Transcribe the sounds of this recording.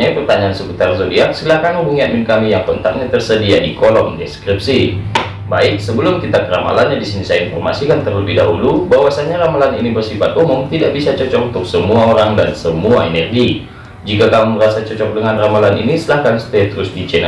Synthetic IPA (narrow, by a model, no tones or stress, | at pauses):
apərt̪aɲaːnsəput̪arzodiaksilahkanubuŋiamɪnkamijaŋkɔnt̪ak̚ɲat̪ərsədiadikolɔŋdeskɾip̚si | baɪk̚səbəlʊmkit̪akəɾa̰ma̰lanɲadisinisajainfɔrma̰sikant̪ərləbɪhda̰ɦṵlubawasaɲaɾamalaninibərsifat̪̚umʊŋt̪idaʔbisat͡ʃɔt͡ʃɔk̚unt̪ʊk̚səmuaoɾaŋdansəmuaɛnɛrɡi | d͡ʒikakamuməɾasat͡ʃɔt͡ʃɔk̚dəŋanramalanḭnisəlahkansə̥t̪ɛat̪ɾʊsdid͡ʒɛn